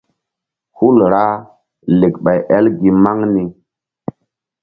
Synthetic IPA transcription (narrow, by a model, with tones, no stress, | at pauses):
hu˦lɾa˦ | le˨kɓa˨jʔɛ˦lɡi˨ma˦ŋni˦